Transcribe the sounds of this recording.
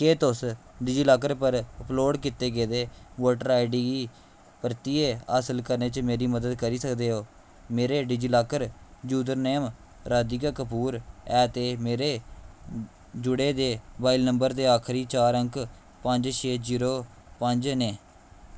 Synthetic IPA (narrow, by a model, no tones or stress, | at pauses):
keːt̪ʊs | ɖɪd͡ʒilaːk̬əɾpəɾəploːɖkɪt̪eːɡeːd̪eːʋoːʈəɾaːɪɖiːɡiː | pəɾt̪iːeːaːsəlkəɾneːt͡ʃmeːɾiːməd̪əd̪kəɾiːsəkd̪eːɦoː | meːɾeːɖɪd͡ʒilaːkəɾd͡ʒuːd̪əɾneːm | ɾaːd̪iːkakəpuːɾɛːt̪eːmeːɾeː | d͡ʒʊɽeːd̪eːbaːɪlnəmbəɾd̪eːaːkʰɾiːt͡ʃaːɾəŋk | pəɲd͡ʒʃʰeːziːɾoː | pəɲd͡ʒneː